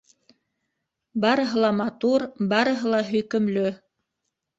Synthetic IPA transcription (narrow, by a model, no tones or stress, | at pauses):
bɑɾɤ̆ɦɤ̆lˠɑmɑt̪uɾbɑɾɤ̆ɦɤ̆lˠɑɦɵ̆jkɵ̆mlɵ